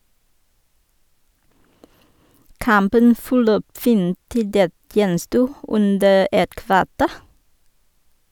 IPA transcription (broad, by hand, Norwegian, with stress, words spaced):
ˈkɑmpən fɔˈløːp ˈfiːn ˈtɪ ˈdeːt ˈjɛnˌstuː ˈʉndə ˈɛt ˈkʋɑˌteːɾ